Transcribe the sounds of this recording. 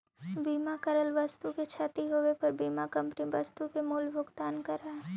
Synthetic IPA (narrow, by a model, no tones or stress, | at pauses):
biːmakɐɾəlʋəst̪uket͡ʃʰat̪iɦoʋepɐɾbiːmakɐ̃mpniʋɐst̪ukemuːlbʱʊɡt̪aːnkɐɾaɛ